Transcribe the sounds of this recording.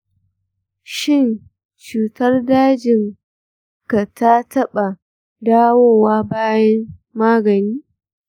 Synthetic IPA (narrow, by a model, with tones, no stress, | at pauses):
ʃɪ˦˨n | t͡ʃuː˨tɐ˦rdaː˦d͡ʒɪ˨ŋ | ka˨tʰa˦tɐ˦ɓa˨ | daː˦woː˦waː˦baː˦jɐ˦mːaː˦ɡɐ˨niː˦